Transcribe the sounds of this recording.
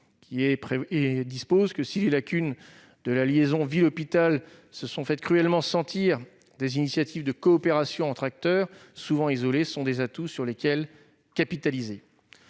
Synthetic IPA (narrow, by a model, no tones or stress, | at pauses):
kʲʰiɛpχeed̪ispozkəsilelakʲyn | d̪əlaljezɔ̃vilɔpit̪alsəsɔ̃fɛt̪̚kχyɛlmɑ̃sɑ̃t̪ʰiʁ | d̪ezinisjat̪ʰivd̪əkɔːpeʁasjɔ̃ɑ̃t̪χak̚t̪œʁsuvɑ̃izɔlesɔ̃d̪ezat̪usyʁlekʲɛl | kʲapit̪alize